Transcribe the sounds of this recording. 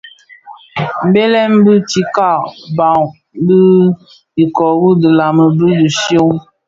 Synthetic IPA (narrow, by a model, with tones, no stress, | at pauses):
m̩˨be˦lɛ˦m˦bɨ˦ti˨ka˦˨ba˨ŋ | bə˦ | i˨kɔ˨bu˦də˨la˨mə˨bi˦di˨sjo˦ŋ